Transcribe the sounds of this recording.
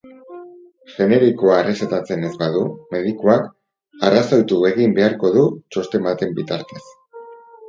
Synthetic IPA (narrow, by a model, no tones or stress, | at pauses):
ʝe̞ne̞ɾikoaereset̪at͡se̞ne̞zbaðume̞ð̞ikuak | arasajt̪ue̞ɣimbe̞aɾko̞ðut͡ʃo̞st̪e̞mbat̪e̞mbit̪aɾt̪e̞s